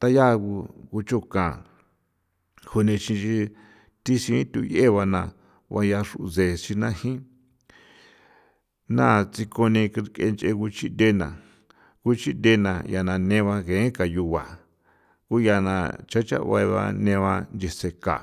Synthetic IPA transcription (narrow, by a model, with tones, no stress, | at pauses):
t̪a˦ja˦˧ɣu˧ku˧t͡ʃo˦˨kã˨ | hu˧nĩ˧t͡ʃĩ˧t͡ʃi˧ | t̪i˦ʃĩ˧˦t̪ṵ˧je˦˨˧βa˧nã˧ | βa˧ja˧ʂu˧ze˨ʃi˧nã˦hĩ˦ | nã̰˦˨t͡si˧ko˧nĩ˧kke˧nt͡ʃe˧ku˧t͡ʃi˦nd̪e˦nã˨ | ku˦t͡ʃi˦de˧˦nã˨ja˧nã˧nẽ˧βa˧ɣẽ˨˦ka˨ju˧βa˨ | ku˦ja˧nã̰˧t͡ʃa˦t͡ʃa̰˦˧βa̰˧βa̰˧nẽ˧βa˧nd͡ʒe˧se˧ka̰˨